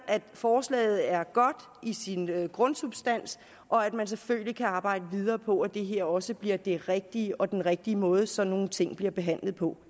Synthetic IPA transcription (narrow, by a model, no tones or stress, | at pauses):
ʔæd̥fɒːslɛ̰ːð̞̩ˠæɐɡ̥ɒ̽d̥ | isinøɡ̥ʁɔ̽nsub̥sd̥æn̰s | ʔɒ̽æd̥mæns̬eføl̰likʰæɑ̈ːbɑ̈ɪ̰d̥əʋið̞ˠɐːpʰɒ̽æd̥e̝ɦe̝ɐ̰ɒ̽səb̥liɐd̥e̝ʁɛɡ̥̚d̥iəʔɒ̽d̥enʁɛɡ̥̚d̥iəmɔ̽ːð̞ˠəsɒ̽no̝ːn̩t͡sʰe̝ŋ̰b̥liɐb̥e̝ɦæn̰ləð̩ˠpʰɒ̽